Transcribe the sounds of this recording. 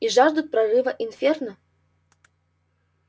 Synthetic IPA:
iʐaʐd̪ut̪̚pɾarɨvəʔinfʲernə

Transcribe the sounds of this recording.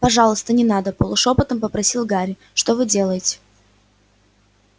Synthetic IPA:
pɐʐɑlˠəst̪ənʲɪnad̪əpəlˠʊʂo̞pət̪əmpəpɾɐsʲilˠɡaɾʲɪ | ʂt̪ovɨdʲe̞lˠəjɪtʲɪ̥

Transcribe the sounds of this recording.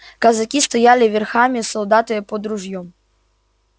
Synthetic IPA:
kɐzɐkʲist̪ɐjalʲɪvʲɪrxamʲɪsɔlˠd̪at̪ɨjəpɔd̪ɾʊʐjɔm

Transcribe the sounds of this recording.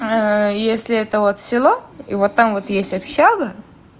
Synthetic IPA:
jesʲlʲɪɛt̪əvot̪fsʲɪlˠoivot̪ːamvot̪jesʲtʲɐpɕaɡə

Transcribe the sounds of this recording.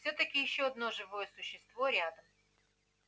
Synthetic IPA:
fsʲɵt̪əkʲɪjɪɕːoɐd̪no̞ʐɨvojəsʊɕːɪst̪vo̞ɾʲad̪əm

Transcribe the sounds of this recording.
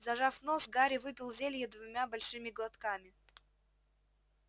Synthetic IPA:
zɐʐafnosɡaɾʲɪvɨpʲɪlˠzʲelʲjəd̪vʊmʲabɐlʲʂɨmʲɪɡlˠɐt̪kamʲɪ

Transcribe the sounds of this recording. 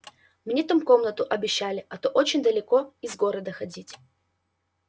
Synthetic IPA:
mnʲeɛt̪umko̞mnət̪ʊʔɐbʲɪɕːalʲɪʔɐt̪oʔot͡ɕɪnʲd̪əlʲɪko̞ɪzɡo̞ɾəd̪əxɐdʲitʲ

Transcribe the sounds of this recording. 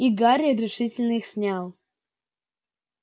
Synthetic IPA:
iɡaɾʲiəɾʲɪʂɨtʲɪlʲnəixsʲnʲalˠ

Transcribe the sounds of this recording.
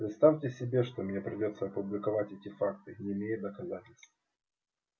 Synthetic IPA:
pɾʲɪt̪st̪afʲtʲɪsʲɪbʲe̞ʂt̪o̞mnʲe̞pɾʲɪdʲo̞t̪səɐpʊblʲɪkɐvatʲɛtʲɪfak̚t̪ɨnʲɪːmʲejɪt̪̚d̪əkɐzatʲɪlʲst̪vəə

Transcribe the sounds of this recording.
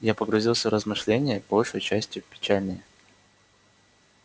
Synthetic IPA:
japəɡɾʊzʲilˠsʲəɾəzmɨʂlʲenʲɪjəbolʲʂəjt͡ɕæsʲtʲjʊpʲɪ̥t͡ɕælʲnʲəj

